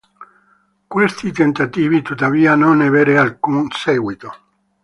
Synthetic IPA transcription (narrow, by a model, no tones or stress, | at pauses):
kwest̪it̪ent̪at̪iːvit̪ut̪ːaviːanonaveːɾealkunsɛːɡwit̪o